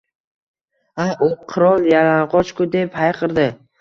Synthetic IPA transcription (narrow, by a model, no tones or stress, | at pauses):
aʔʊqʰɨɾɒlˠjalanqɒt͡ʃkʊd̪e̞phajqʰɨɾd̪ɪ